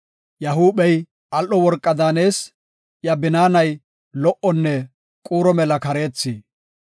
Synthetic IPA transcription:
jɐɦuːbɛj | ɐlʔɔwɔɾkʼːɐd̪aːne̞ːs | jɐbɪnaːnɐj | lɔʔɔnːɛ | kʼuːɾɔmɛlɐkɐɾe̞ːt͡sːiː

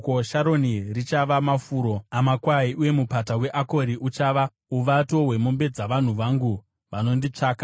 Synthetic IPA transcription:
koʃaɾo̞nirit͡ʃaʋamafuːɾo̞amakwaiuje̞mupatawe̞ʔako̞ɾiʔut͡ʃaːʋa | uʋato̞ɦwe̞mombe̞d͡zaʋan̤uʋaŋɡu | ʋano̞ndit͡ʂaːka

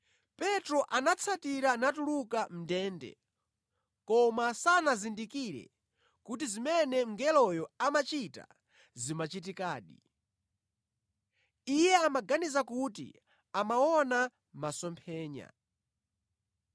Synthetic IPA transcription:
pɛtɾɔʔanat͡sʰatiɾanatulukam̩dɛːndɛ̰ | kɔmasanazindikiɾɛ̰ | kut̬izimɛnɛŋ̩ɡɛlɔjɔamat͡ʃita̰ | zimat͡ʃit̬ikaːɗi | ijɛamaɡanizakutḭ | amawɔna | masɔmpʰɛːɲa̰

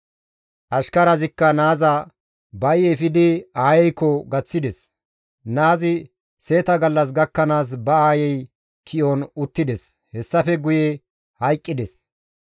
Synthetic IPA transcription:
ʔɐʃkɐɾɐzɪkːɐnaːzɐ | bɐjɛfɪd̪ɪaːjɛjkːɔɡɐt͡sːɪd̪ɛs | naːzɪ | se̞ːt̪ɐɡɐlːɐs̬ɡɐkːɐnaːs̬bɐaːjɛj | kʰɪʔonʊt̪ːɪd̪ɛs | hɛsːɐfɛɡʊje | hɐjkʼːɪd̪ɛs

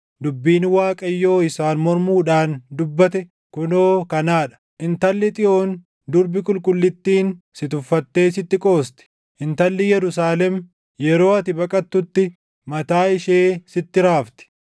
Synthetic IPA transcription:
d̪ʊbːiːnwaːkʼɐjːo̞ːɪsaːnmɔɾmuːᶑaːnd̪ʊbːɐt̪ɛ | kʊnoːkɐnaːᶑɐ̥ʔɪnt̪ɐlːɛt̪ʼɪʔo̞ːn | d̪ʊɾbɪkʼʊlkʼʊlːɪt̪ːiːn | sɪt̪ʊfːɐt̪ːe̞ːsɪt̪ːɪkʼo̞ːst̪ɛ̥ | ʔɪnt̪ɐlːɛjɛɾʊsaːlɛm | jɛɾo̞ːɐt̪ɪbɐkʼɐt̪ːʊt̪ːɪ | mɐt̪aːɪʃeːsɪt̪ːɪɾaːft̪ɛ̥

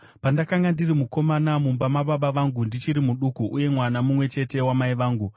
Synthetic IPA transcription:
pandakaŋɡandirimuko̞manamumbamaɓaɓaʋaŋɡundit͡ʃiɾimuɗukuʔuje̞mwanamumwe̞t͡ʃe̞te̞wamaiʋaːŋɡu

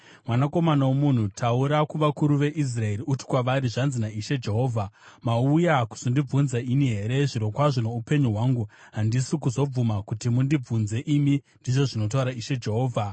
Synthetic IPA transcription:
mwanako̞manawomun̤utʰauɾakuʋakuɾuʋe̞ʔis̬rae̞riuti̥kwaʋaɾiʐanzinaiʃe̞d͡ʒe̞ɦo̞ːvʱa | maujaku̥sondib͡vunzainiɦe̞ɾe̞ʐiɾo̞kwaʐone̞upe̞ɲuɦwaŋɡuɦandisikuzo̞b͡vumakutimundib͡vunze̞ʔimi | ndiʐo̞ʐino̞t̬auɾaiʃe̞d͡ʒe̞ɦo̞ːvʱa

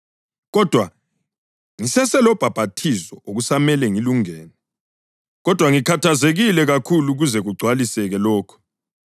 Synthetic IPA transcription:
ɣɔd̥ʱwa | ŋisɛsɛlɔb̥ʱab̥ʱatʰisɔʔoɣusamɛlɛŋiluŋɛːnɛ | ɣɔd̥ʱwaŋikʰatʰazeɣilɛɣakʰuluɣuzɛɣuɡ͡ǀʱwalisɛɣɛlɔːkʰɔ̥

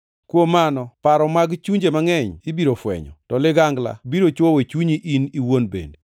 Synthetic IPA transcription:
kwomanɔpaɾɔmaɡt͡ʃuɲd͡ʒemaŋɛɲibiɾofwɛ̰ɲɔ̰tɔlɪɡaŋɡla̰biɾot͡ʃwowet͡ʃuɲiʔiniwonbḛnde

